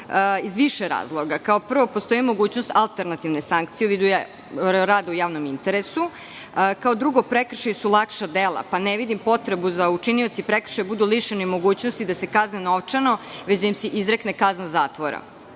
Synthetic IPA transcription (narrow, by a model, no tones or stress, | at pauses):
izʋiʃeɾa̰ːzlˠoɡakaopr̩ʋo̞post̪o̞jimo̞ɡuːt͡ɕnost̪alˠt̪eɾnat̪iʋnesaŋk̚t̪sijeʋid̪uj | ɾaːd̪aujaːʋnomint̪eɾesu | kaod̪ɾuɡo̞pɾekr̩ʃajisulˠakʃad̪elˠa̰paneʋid̪impo̞t̪ɾe̞buzaut͡ʂinio̞t̪sipɾekr̩̥ʃajebud̪uliʃenoimo̞ɡuːt͡ɕnost̪id̪asekazneno̞ʋt͡ʂano̞ʋet͡ɕd̪ajimseʔizɾeknekaznazaːt̪ʋoɾa̰